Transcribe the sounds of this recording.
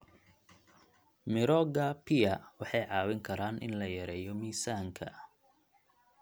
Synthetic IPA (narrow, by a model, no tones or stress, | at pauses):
mɪɾɔːɡɐpʰɪɐwɑħɑjʕɑːwɪŋkʰɐɾaːnʔɪ̰nlɐjɐɾɛːjɔmiːsaːŋkʰɐ̰